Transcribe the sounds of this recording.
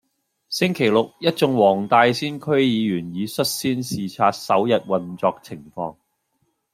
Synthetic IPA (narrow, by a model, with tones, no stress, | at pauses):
sɪ˥ŋkʰe˨˩jlʊ˨k̚jɐ˥t̚t͡sʊ˧ŋwɔː˨˩ŋt̪aː˧jsiː˥nkʰɵ˥ɥjiː˨˧jyː˨˩njiː˨˧sɵ˥t̚siː˥nsiː˨t͡sʰaː˧t̚sɐ˨˥wjɐ˨t̚wɐ˨nt͡sɔː˧k̚t͡sʰɪ˨˩ŋfɔ̰ː˧ŋ